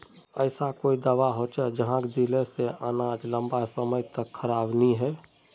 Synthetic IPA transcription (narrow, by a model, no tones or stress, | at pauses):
əɪsakoːid̪əʋaɦot͡ʃɛd͡ʒəɦãkd̪ileseʔənad͡ʒlə̃mbasəməjt̪əkʰəɾaːbniɦɛː